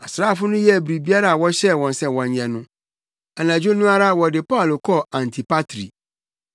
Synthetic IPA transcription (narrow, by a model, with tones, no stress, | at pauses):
a˨sɾaː˦˨fʊ˦nʊ̃˦jɛ˦˨bɾi˨bi˦a˦ɾa˨a˨wɔ˦ɕɛ˦˨wɔ̃˨nsɛ˨wɔ̃˨ɲ˨ɲɛ̃˨nʊ̃˦ | a˨nã˨d͡ʑᶣo˦nũ˦a˦ɾa˦a˨wɔ˨dɪ˨pʰa˦˨lo˨kʰɔ˦˨ã˨ntʰi˨pa˦tʰɾḭ˨